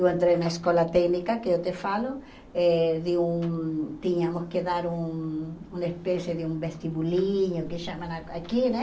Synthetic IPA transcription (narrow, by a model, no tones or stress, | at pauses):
oẽnt̪ɾenaeskolat̪ɛknikakeot̪efalo | ɛðeuŋt̪iɲamoskeðaɾuŋuŋespesjeðeumbest̪iβuliɲokeʃamãnaakinɛ̃